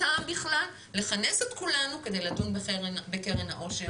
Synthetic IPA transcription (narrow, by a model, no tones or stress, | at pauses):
aːmbiχlalːe̞χaneset̪kulanuke̞d̪e̞jlatunbeeʁbekeʁenaʔo̞ʁʃe